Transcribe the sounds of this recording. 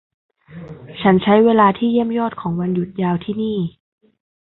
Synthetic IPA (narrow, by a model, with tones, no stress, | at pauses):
t͡ɕʰa˦˥nt͡ɕʰa˦˥jweː˧laː˧t̪ʰiː˥˩ji˥˩əmjɔː˥˩t̪̚kʰɔː˩˦ŋwa˧nju˨˩t̪̚jaː˧wt̪ʰiː˥˩niː˥˩